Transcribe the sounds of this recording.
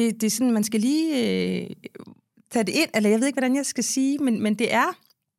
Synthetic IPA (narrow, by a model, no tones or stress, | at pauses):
d̥e̝d̥e̝sɔ̽nmænsɡ̥æliːø | t͡sʰɛːde̝e̝n̰elɐjɑeðˠeɡ̥ʋɒd̥ænjɑɪsɡ̥æsiːmenmend̥e̝ʔæɐ